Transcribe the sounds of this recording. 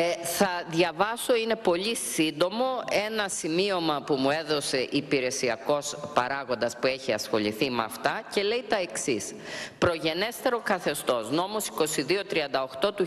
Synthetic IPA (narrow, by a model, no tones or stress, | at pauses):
θɐðʝɐvɐso̞ine̞po̞ʎisind̪o̞mo̞e̞nɐsimio̞mɐpumue̞ðo̞se̞ʔipiɾe̞siɐko̞spɐɾɐɣo̞nd̪ɐspue̞çiɐ̰sxo̞̰ʎiθimɐ̰ft̪ɐce̞le̞it̪ɐe̞ksispɾo̞ʝe̞ne̞st̪e̞ɾo̞kɐθe̞st̪o̞sno̞mo̞si̥ko̞siðio̞t̪ɾiɐnd̪ɐo̞xt̪o̞t̪u